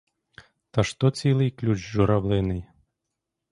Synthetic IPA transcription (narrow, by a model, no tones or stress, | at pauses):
t̪ɐʂt̪ɔt͡sʲilˠɨjklʲut͡ʃʒuɾawlˠɪnɪj